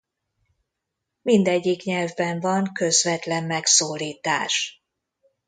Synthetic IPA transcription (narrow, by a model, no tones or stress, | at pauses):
mind̪ɛɟːikɲɛlvbɛɱvɒŋkø̞zvɛt̪lɛmːɛksoːliːt̪a̰ːʃ